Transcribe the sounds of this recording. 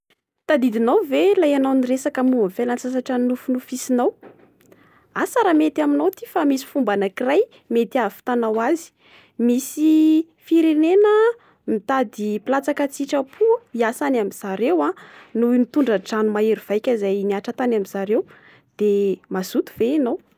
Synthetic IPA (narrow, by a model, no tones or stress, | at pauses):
t̪ad̪id̪inawvelajanawniresakamuvəfelansas̬aʈ͡ʂanufunufisinaw | asaɾamet̪aminawt̪ifamisi̥fumbanakiraj | met̪iafi̥t̪anawazi̥ | misi | fiɾenenə | mit̪ad̪ipilat͡sakat͡siʈ͡ʂəpʰuiasanamiz̥aɾewanuimit̪uɳɖ͡ʐəʈ͡ʂanumaeɾiv̥ajkʲəzajniaʈ͡ʂat̪anamiz̥aɾew | d̪̥emazut̪u̥veinaw